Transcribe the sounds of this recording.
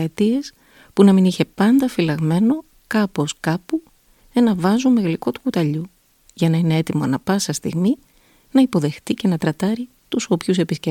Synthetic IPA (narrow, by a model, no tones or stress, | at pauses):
et̪ie̞s | punɐminiçe̞pɐnd̪ɐfilɐɣme̞no̞ | kɐpo̞skɐpu | e̞nɐvɐzume̞ɣliko̞t̪u̥kut̪ɐʎu | ʝɐnɐine̞e̞t̪imo̞ɐnɐpɐsɐst̪ḭɣmi | nɐipo̞ðe̞xt̪ice̞nɐt̪ɾɐt̪ɐɾi | t̪uso̞pçus̬e̞pisce